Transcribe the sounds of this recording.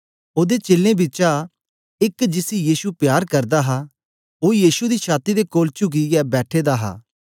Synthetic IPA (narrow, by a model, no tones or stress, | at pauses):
oːd̪eːt͡ʃɪlẽːbɪt͡ʃa | ɪkd͡ʒɪsijiːsupjaːɾkɐɾd̪aːɦa | oːjiːʃud̪iːt͡ʃʰaːt̪id̪ekoːlt͡ʃʊɡ̬iɡɛbɛːʈʰeːd̪aːɦa̰ː